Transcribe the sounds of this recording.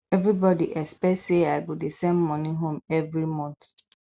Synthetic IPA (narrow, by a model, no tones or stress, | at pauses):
ɛvɹibɔdiʔɛspɛtseaɪɡodesɛ̃nmɔniɦõmɛvɹimɔ̃nθ